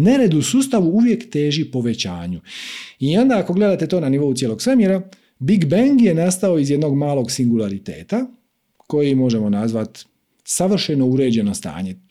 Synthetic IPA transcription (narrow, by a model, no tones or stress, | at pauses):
ne̞ɾed̪usuːst̪aʋuuʋje̞kt̪e̞ːʒipo̞ʋe̞t͡ɕa̰ːɲuio̞nd̪aːko̞ɡle̞d̪at̪e̞t̪o̞ːnaniʋo̞ut̪jelo̞ɡsʋemjeɾa | biɡbaŋɡje̞nast̪ao̞izjed̪no̞ɡmaːlˠo̞ɡsiŋɡulˠaɾit̪e̞̰ːt̪a | ko̞jimo̞ʒe̞mo̞nazʋat̪ | saʋr̩ʃeno̞uɾe̞ːd͡ʑe̞no̞st̪a̰ːɲe̞